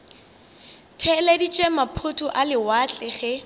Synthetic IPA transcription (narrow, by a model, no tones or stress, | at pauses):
tʰɛlɛdit͡ʃʼɛmapʰʊtʰʼʊʔalɪwat͡ɬʼɛχɛ